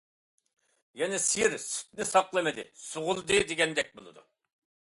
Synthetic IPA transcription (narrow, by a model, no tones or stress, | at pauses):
jɛnɪsijiɾsy̥t̪̚nɪsɑplˠɨmɪd̪ɪ̰sʊʁʊlˠd̪ɨd̪eɡʲɛnd̪ɛk̚ʲbolˠɨd̪ṵ